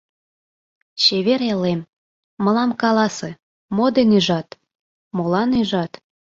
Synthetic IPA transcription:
t͡ɕeβeɾelem | mɤ̆lɑmkɑlɑsĕ | mod̪enyʒɑt̪ | molɑnyʒɑt̪

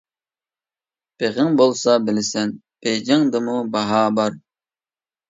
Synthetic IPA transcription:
b̥eʁɪŋbolˠsɑbɪlɪsɛn | b̥ejd͡ʒɪŋd̪ɨmubɑɦɑbɑɾ

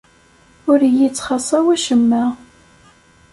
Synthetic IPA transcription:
ʊɾjit͡sːχɑsˤɑwæʃəmːæ

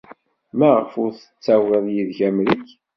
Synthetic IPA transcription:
mæʁəfʊɾθə̥t͡sːæwəðˤjiðʝæmɾik

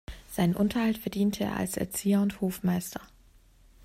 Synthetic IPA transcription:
z̥aɪnənʔʊntɐhaltfɛɐdiːntʰəḛːɐa̰lsɛ̰ɐt͡siːɐʊnthoːfmaɪstʰɐ

